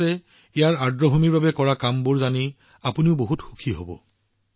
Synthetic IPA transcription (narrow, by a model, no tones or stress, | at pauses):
ɛ | ijaɹaɹdɹɔɦomiɹbabɛkɔɹakambʊɹzani | apuniʊboɦutxu̥kʰiɦobɔ̰